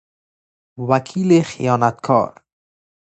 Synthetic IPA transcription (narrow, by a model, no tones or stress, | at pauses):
wakʰiːlexḭjɒːnat̪̚kʰɔ̰ːɾ